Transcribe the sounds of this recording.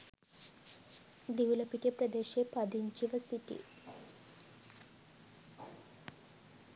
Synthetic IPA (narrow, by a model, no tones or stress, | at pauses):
d̪iʋulɐpiʈijepɾəd̪eːʃeːpɐd̪iɲt͡ʃiʋəsiʈḭ